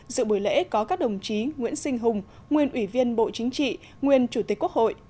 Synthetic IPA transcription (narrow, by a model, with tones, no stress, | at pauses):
zɨ̰˧˨ɓu˧˩jlḛ˧˥kɔ˨˦kaː˦˥k̚ɗə˨˩wŋ͡mt͡ɕi˨˦ŋwḭ˧˥ənsï˧ŋ̟ɦʊ˨˩ŋ͡m | ŋwi˨˩ənʔwi˧˩vi˧ənɓo̰˧˨t͡ɕï˨˦ŋ̟t͡ɕḭ˧˨ | ŋwi˨˩ənt͡ɕu˧˩t̪i˨˩kku˦˥ək̚ho̰˧˨jʔ